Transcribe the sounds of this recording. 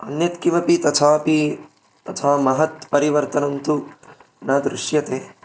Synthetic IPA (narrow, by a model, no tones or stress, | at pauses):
ɐnjɐt̪kimɐpit̪ɐt̪ʰaːpi | t̪ɐt̪ʰaːmɐɦɐt̪̚pɐɾiʋɐɾt̪ɐnɐnt̪u | nɐːd̪ɾuʃjɐt̪eː